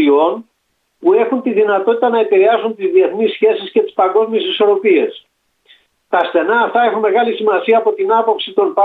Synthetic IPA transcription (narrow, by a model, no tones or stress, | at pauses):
io̞n | pue̞xunt̪iðinɐt̪o̞t̪it̪ɐnɐepiɾe̞ɐzunt̪izðie̞θnisçe̞sisce̞t̪i̥spɐŋɡo̞zmie̞siso̞ɾo̞pie̞s | t̪ɐst̪e̞nɐːft̪ɐe̞xunme̞ɣɐlisimɐsiɐːpo̞t̪inɐpo̞psit̪o̞npɐ